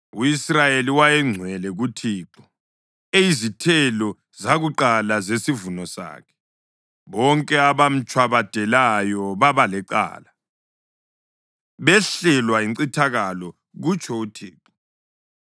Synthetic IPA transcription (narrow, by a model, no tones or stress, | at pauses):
uisrajeliwajɛŋ͡ǀʱwɛlɛɣutʰiːǁɔ̥ | ejizitʰɛlɔ | zaɣuǃalazesivunɔsa̰ːkʰɛ̥ | βɔŋkʼɛaβam̩t͡ʃʼʰwaβad̥ʱɛlajɔβaβalɛǃa̰ːla | βɛɬɛlwaiǀitʰaɣalɔ | ɣut͡ʃʰʼɔutʰiːǁɔ